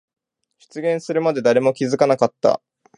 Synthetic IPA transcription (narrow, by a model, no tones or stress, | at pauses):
ɕɨ̥t͡sɨɡʲẽ̞ɰ̃sɨɾɯ̟mad̪e̞d̪aɾe̞mo̞kʲizɨkanakat̪ːa̰